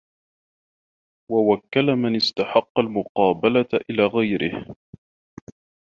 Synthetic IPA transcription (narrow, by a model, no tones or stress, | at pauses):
wawakːalamanɪst̪aħɑqːɑlmʊqɑːbalatʔɪlaːɣajɾɪ̰h